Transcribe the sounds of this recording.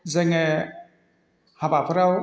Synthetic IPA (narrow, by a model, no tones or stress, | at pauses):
zeŋe | habapʰɯɾaw